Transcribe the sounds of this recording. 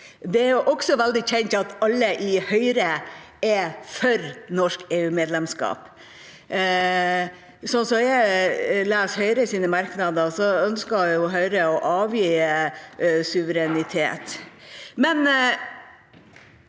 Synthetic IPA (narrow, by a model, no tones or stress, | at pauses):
d̪ɛæɾjʊʔɔksɔʋɛld̪ɪçɛnt̪ɑt̪ɑlːəʔɪhœʏɾə | ɛfɔɾnɔʂkeːʉːmeːd̪lɛmskɑ̰ːp | sɔnsɔjæɪlæːshœʏɾəsiːnəmɑɾknɑd̪əsɔœnskɑjʊɦœʏɾəɔʔɑːʋjiː | sʉʋəɾɛnɪt̪ʰḛːt̪ | mɛn